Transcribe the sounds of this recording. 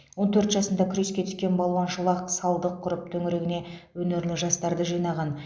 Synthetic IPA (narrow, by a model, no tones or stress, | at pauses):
wo̞nt̪ʰɵɾt̪ʒɑsənd̪ɑkʲʰʏɾe̞skʲe̞t̪ʰʏ̥skʲe̞nbɑlˠwɑnʃəlˠɑqsɑlˠd̪əqʰːʊɾəp̚t̪ʰɵŋɪɾe̞ɡʲɪne̞wɵne̞ɾlɪʒɑst̪ɑɾd̪əʒijnɑʁɑn